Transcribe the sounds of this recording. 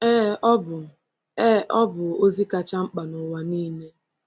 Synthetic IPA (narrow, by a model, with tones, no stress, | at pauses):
ɛ˦ɔ˦bʊ˨ | ɛ˦˨ʔɔ˦bʊ˨o˦zi˦ka˨t͡ʃa˦ŋ͡m̩˦k͡pa˨nʊ˨wa˨niː˦ne˦